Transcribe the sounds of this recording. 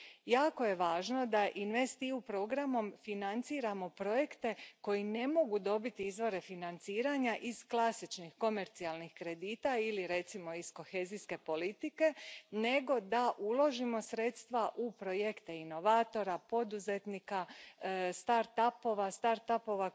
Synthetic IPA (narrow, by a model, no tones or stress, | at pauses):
jaːko̞je̞ʋaːʒno̞d̪aʔinʋe̞st̪iupɾo̞ɡɾamo̞mfinant̪siːɾamo̞pɾo̞je̞kt̪e̞ko̞jine̞mo̞ɡud̪o̞bit̪iizʋo̞ɾe̞finant̪siːɾaɲaʔizklˠasit͡ʃnixko̞me̞ɾt̪sialnixkɾe̞d̪iːt̪ailiɾe̞t̪simo̞iz̥ko̞xe̞ziske̞po̞lit̪ike̞ne̞ɡo̞d̪aʔulˠo̞ʒimo̞sɾe̞t̪st̪ʋaʔupɾo̞je̞kt̪e̞ino̞ʋaːt̪o̞ɾapo̞d̪uze̞t̪nika | st̪aɾt̪apo̞ʋast̪aɾt̪apo̞ʋa